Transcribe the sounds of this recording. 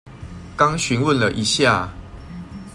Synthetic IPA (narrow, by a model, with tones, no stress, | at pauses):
kɑ˦ŋɕy˨˦nwə˥˨nlə˨ʔi˨˦ɕja˥˨